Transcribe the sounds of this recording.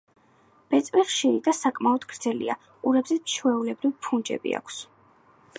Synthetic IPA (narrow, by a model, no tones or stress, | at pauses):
b̥ɛt̪sʼwiχχʃiɾid̪asakʼmaɔd̪ɡɾd̪z̥ɛlḭa̰ | uɾɛbzɛʃʰwɛulɛbɾivpʰund͡ʒɛ̰bḭa̰kʷʰs